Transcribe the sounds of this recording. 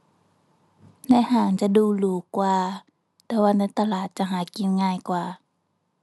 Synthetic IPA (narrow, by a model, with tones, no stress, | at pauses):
na˧˥˨haː˨˩ŋt͡ɕa˧˨duː˧˩luː˨˩kwaː˧ | t̪ɛː˧˦waː˧na˧˥˨jt̪a˧laː˨˩t̪̚t͡ɕa˧˨ɦaː˨˩˦ki˧˨nŋaː˧˨jkwaː˧˩